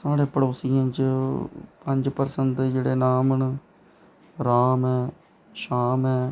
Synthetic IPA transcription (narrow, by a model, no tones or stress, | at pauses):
saːɽẽːpəɽoːsɪjãːt͡ʃ | pə̃ɲd͡ʒpəɾsəneːd͡ʒeːɽeːnaːməɳ | ɾaːmɛː | ʃaːmɛː